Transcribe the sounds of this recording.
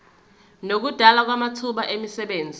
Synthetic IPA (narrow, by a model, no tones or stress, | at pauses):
nok̬ud̥ʱalak̬wamatʰuɓaʔemisɛɓeːnd͡zʱi